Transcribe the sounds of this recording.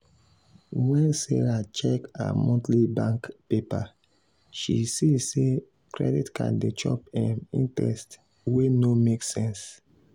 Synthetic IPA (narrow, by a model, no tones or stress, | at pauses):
wɛ̃nseɹat͡ʃɛka̰mɔ̃tlibãŋkpepa | ʃisise | kʰɹɛ̰ditkʰã̰ndet͡ʃɔpɛmḭ̃ntɛ̰st | wenomeksɛ̃ns